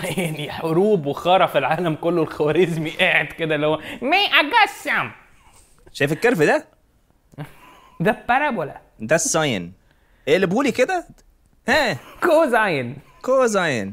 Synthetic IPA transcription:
niħoɾuːbwexɑːɾˤɑfilʕaːlæmkolːolxæwæɾezmiʔeːʕed̪ked̪ælːihowːæmeʔæɡæsam | ʃæjfekːeɾfid̪æ | d̪æpːæɾæbolæ̰ | d̪æsːɑjn | ʔelːebuːliked̪æ | hæːkozajen | kozɑjen

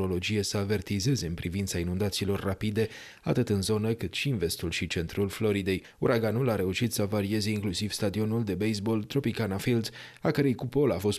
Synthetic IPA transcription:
o̞lo̞d͡ʒije̞səave̞rt̪ize̞ze̞ɨnpɾivint̪sainund̪at̪siːlo̞rːapid̪e̞ | a̰t̪ɨt̪ɨnzo̞nəkɨt̪ʃiɨnve̞st̪ulʃit͡ʃe̞nt̪ɾulflo̞ɾid̪e̞j | uɾʔaɡanulaɾe̞uʃit̪səvaɾie̞ze̞iŋklusiv̥st̪ad̪io̞nuld̪e̞bejsbo̞lt̪ɾo̞pikanafild̪z | akəɾejkupo̞lafo̞s

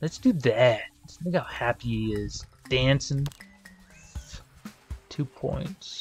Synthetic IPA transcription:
lɨtsd̥ɨðæt̚sθɪ̃ŋkhaʊhæpiɪz̥d̥æ̃nsɪ̃n | tʰʉpʰɔ̰̃ɪ̃nts

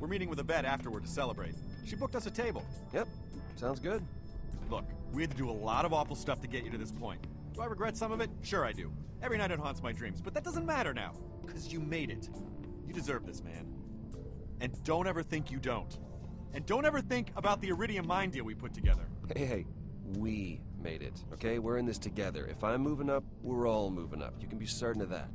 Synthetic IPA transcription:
wɨɹmiɾɪ̃ŋwɨðəbɛɾæftə˞wə˞d̚tʰɨsɛlˠəbɹeɪt̚ʃibʊk̚tʌsɨtʰeɪbəl̩ˠ | jɛp̚ | tsãʊ̃ndzɡʊd̚ | lʊkwiɨtɨdɨəlɔ̰ɾʌvɔfl̩ˠstʌftʰɨɡɛt͡ʃɨɾɨðɪspʰɔ̰̃ɪ̃nt | d̥ɨaɪɹɨɡɹɛtsʌ̃mʌvɨt̚ʃʊɹaɪdʉ̰ | ɛvɹiñaɪɾoʊ̃nhɑ̃nsmaɪdɹĩmzb̥ʌt̪̚ðɨt̚d̥ʌzɨ̃nmæɾə˞na̰ʊ | kʰʌzjɨmeɪɾɪt | jɨdɨzɜ˞vðɪsmæ̰̃n | ɨ̃ndõʊ̃ntɛvə˞θɪ̃ŋkjɨdõʊ̃nt | ɨ̃ndõʊ̃ntɛvə˞θɪ̃ŋkəbaʊt̪̚ðiə˞ɪɾiɨ̃nmãɪ̃ndilˠwipʰʊtʰɨɡɛðə̰˞heɪeɪ | wi | mḛɪɾɪ̰toʊkʰeɪwɪɹɨ̃nðɪstʰɨɡɛðə̰˞ʔɨ̰fãɪ̃mːuvɪ̃ŋʌp̚wɪɹɔlˠmṵvɪ̰̃ŋʌ̰pjɨkn̩bisɜ˞ʔn̩ʌvðæ̰t̚

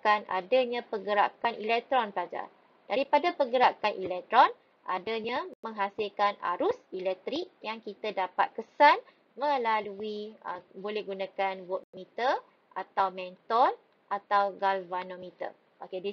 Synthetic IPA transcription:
kana̰daɲãpəɡəɾa̰kanʔḭlɛk̚t̪ɾɔnpəlad͡ʒa̰ | daɾipadapəɡəɾakanʔḭlɛk̚t̪ɾɔn | ʔa̰daɲãmə̃ŋɦasilkana̰ɾʊsilɛk̚t̪ɾik̚jaŋkit̪adapa̰t̪̚kəsan | mə̃laluiə̰bolɛhɡunãkanwɔt̪̚mit̪ə | ʔat̪awmɛnt̪ɔl | ʔat̪awɡalvanomit̪ə̰ | ʔokedi

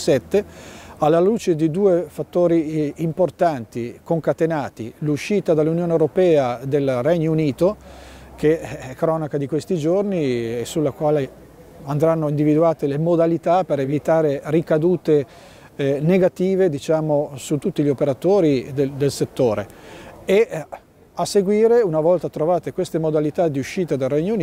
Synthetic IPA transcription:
sɛt̪ːealːaluːt͡ʃed̪id̪uːefat̪ːoːɾiːmport̪ant̪ikoŋkat̪enaːt̪ḭluʃːiːt̪ad̪alːunjoːnewɾopɛːad̪elrɛɲːouniːt̪ok̟eɛkːɾɔːnakad̪ikwest̪id͡ʒorniesulːakwaːle | and̪ɾanːoind̪ivid̪uaːt̪elemod̪alit̪apeɾevit̪aːɾerikad̪uːt̪e | neɡat̪iːved̪it͡ʃaːmosut̪ːut̪ːiʎiopeɾat̪oːɾid̪ed̪elset̪ːoːɾee | aseɡwiːɾeunavɔlt̪at̪ɾovaːt̪ekwest̪emod̪alit̪ad̪iuʃːiːt̪ad̪alrɛɲːoun

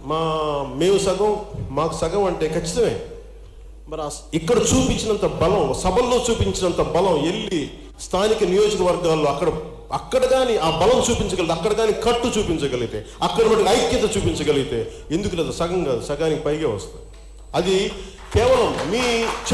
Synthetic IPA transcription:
maːme̞ːmusɐɡɐmmaːku̥sɐɡɐmɐɳʈe̞ːkɐt͡ʃːi̥t̪ɐme̞ː | mɐɾaikːɐɽɐt͡ʃuːpiɲt͡ʃinɐnt̪ɐbɐlɐmsɐbʱɐlːo̞ːt͡ʃuːpiɲt͡ʃinɐnt̪ɐbɐlɐme̞ɭːi | st̪ʰaːnikɐnijoːd͡ʒɐkɐʋɐɾɡaːlːoːɐkːɐɽɐ | ɐkːɐɽɐɡaːniʔaːbɐlɐmt͡ʃuːpiɲt͡ʃɐɡɐlit̪ɐkːɐɽɐɡaːnikɐʈːut͡ʃuːpiɲt͡ʃɐɡɐliɡit̪eːɐkːɐɽɐmɐʈːɐɐjkjɐt̪ɐt͡ʃuːpiɲt͡ʃɐɡɐliɡit̪e̞ː | end̪ukulɛːd̪usɐɡɐŋkaːd̪usɐɡaːnikipɐjɡeːʋɐst̪a | ɐd̪i | kɛːʋɐlɐmːiːt͡ʃ

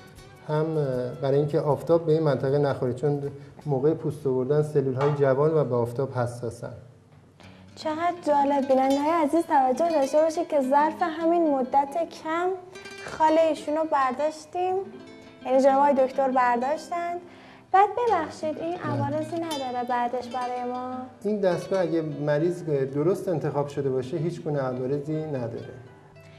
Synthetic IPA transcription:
hæmbæɾɒːjiːŋcʰeʔɒːft̪ʰɒːb̚ːeiːnmænt̪ʰæɣenæxoɾit͡ʃʰonmoːɣejepʰust̪ovoɾd̪ænselːuːlɦɒːjed͡ʒævɒːnvæbeɒːft̪ʰɒːb̥hæsːɒːsæ̰nd̪ | t͡ʃʰe̞ɣæd̪̚d͡ʒɒːle̞bːinænd̪eɦːjeæziːzt̪ʰævæd͡ʒːo̞hd̪ɒʃt̪e̞bɒːʃid̪̥̚cʰe̞zæɾfe̞ɦæminmod̪ːæt̪ʰe̞cʰæmxɒːle̞iːʃuːnobæɾd̪ɒːʃt̪iːm | jæniːd͡ʒenbɒːjed̪o̞kt̪ʰo̞ɾbæɾd̪ɒːʃt̪ænd̪ | b̥æːd̪̚be̞bæxʃiːd̪inʔævɒːɾe̞ziːnæd̪ɒːɾebæd̪e̞ʃbæɾɒːje̞mɒːind̪æst̪̚ɡɒːæɟæmæɾiːzd̪oɾost̪e̞nt̪ʰe̞xɒːb̥ʃod̪e̞bɒːʃeɦiːt͡ʃɡuːneævɒːɾe̞ziːnæd̪ɒ̰ɾe

